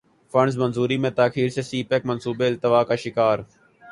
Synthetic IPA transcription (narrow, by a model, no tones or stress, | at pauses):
fəɳɖz̬mənzuːɾiːmẽt̪aːkiːɾsesiːpɛkmənsuːbeɪlt̪ɪʋaːkaːʃɪkaːɾ